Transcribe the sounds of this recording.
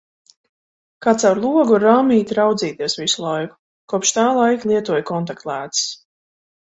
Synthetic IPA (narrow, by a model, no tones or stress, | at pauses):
kat̪sawɾlˠuɔɡuɾaːmʲiːt̪ɾawd̪ziːt̪iɛsvisulˠajku̥ | kuɔpʃt̪aːlˠajklˠiɛt̪uɔjkɔnt̪akt̪lˠæːt̪s